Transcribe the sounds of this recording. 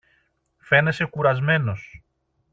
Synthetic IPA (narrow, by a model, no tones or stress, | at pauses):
fe̞ne̞se̞kuɾɐzme̞no̞s